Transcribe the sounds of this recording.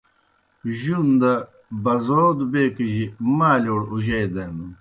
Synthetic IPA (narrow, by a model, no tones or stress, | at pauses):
ʑund̪ɐ | bɐzoːd̪ubeːkiʑimaːloːɽuʑɐjd̪ɐnd̪u